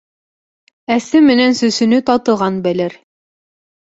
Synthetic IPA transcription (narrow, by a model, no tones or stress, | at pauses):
æsɘmɘ̆nænsɵ̆sɵ̆nɵt̪ɑt̪ɤ̆ʁɑnbælɘɾ